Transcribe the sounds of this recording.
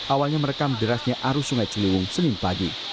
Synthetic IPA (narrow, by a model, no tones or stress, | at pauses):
ʔawalɲaməɾekamədəɾasɲaʔaɾusuŋajt͡ʃiliwʊŋsənɪnpaɡi